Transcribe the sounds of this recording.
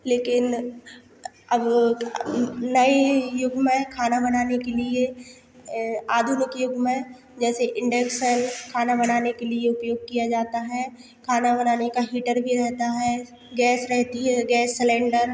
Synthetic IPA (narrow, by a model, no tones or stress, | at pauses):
leːkɪn | ɐb | nɐijʊɡmẽkʰaːnabɐnaːnekelie | aːd̪ʱʊnɪkjʊɡmẽ | d͡ʒɛːseʔɪ̃ɳɖeksənkʰaːnabɐnaːnekelieʊpjoːɡ̚kijad͡ʒaːt̪aɦɛː | kʰaːnabɐnaːnekaɦiːʈəɾbʱiɾɛɦt̪aɦɛ | ɡɛːsɾɛɦt̪iɦɛɡɛːsːɪlɛ̃ːɳɖəɾ